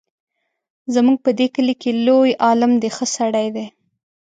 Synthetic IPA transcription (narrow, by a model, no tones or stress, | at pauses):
zamuɡ̚pəd̪ekəlekelojɑlamd̪əxəsaɽajd̪e